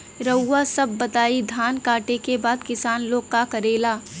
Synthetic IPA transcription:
ɾəwːasɐbːɐt̪aːid̪ʱaːnkaːʈekebaːd̪kɪsaːnloːɡkakɐɾeːlaː

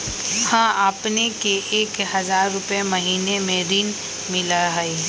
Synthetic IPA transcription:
hãːʔaːpnekeʔeːkhɐzaːɾːʊpjemɐɦiːnemẽɾiːn | mɪlaɦe

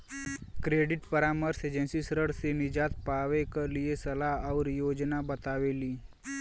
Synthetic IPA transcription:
kɾeːɖɪʈpəɾaːməɾseːd͡ʒə̃nsisɾəɽsenɪd͡ʒaːt̪paːʋekəliesɐlaɦɔːɾjoːd͡ʒnabət̪aːʋeːliː

